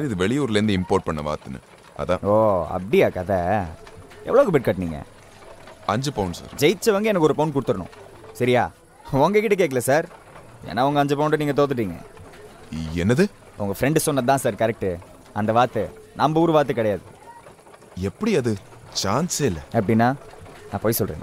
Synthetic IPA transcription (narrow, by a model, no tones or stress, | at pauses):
saɾɪðɯʋɛɭɪjuːɾɪlɾɪnd̪ɐɪmpoːɾʈ̚pɐɳːɐʋa̰ːt̪ːɯnːɯ̰ | ɐ̰ðã̰ːoːɐ̰pɐɽiaːkɐðɐ | ɛ̰ʋɐɭoːkɯbɪʈ̚kaʈːniːŋɡɐ̰ | ɐɲd͡ʒɐpɐʊɳsa̰ːɾd͡ʒɛjt͡ʃːɐʋɐŋɡɐɛnɐkːɔɾɯpɐːnkʊɽɯt̪ːɯɾɐnʊ̰̃ | sɐɾɪjaː | ɔŋɡɐk̬ɪʈːɐk̬eːk̬ːɐlɐsaːɾ | ɛ̰ːnːaːɐŋɡɐɲd͡ʒɐpɐʊɳʈɯniːŋɡɐt̪oːt̪ɯʈːiːŋɡɐ̰ | ɛnːɐðɯ | ʊŋɡɐfɾɛɳɖɯsɔnːɐðt̪ãːsaːɾkɐɾɛk̚ʈːɯ | ɐnd̪ɐʋaːɾt̪ːɯ | nɐmbɐuːɾɯʋaːɾt̪̬ːɯkɪɽɐɛjaːðɯ | ɛpːɐɽiɐðɯt͡ʃaːnsɪlːɐɐp̬ːɐɽɪnːaːnãːpoːjsɔlrɾḛn